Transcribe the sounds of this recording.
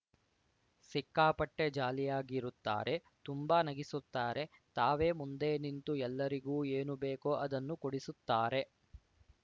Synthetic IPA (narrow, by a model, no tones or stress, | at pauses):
sikːaːpɐʈːe̞d͡ʒaːlijaːɡiɾut̪ːa̰ːɾʔe̞ | t̪umbaːnɐɡisut̪ːaːɾe̞t̪aːʋe̞ːmund̪e̞ːnint̪uɛlːɐɾiɡuːeːnubeːkoːʔɐd̪ɐnːukoɽisut̪ːaːɾe̞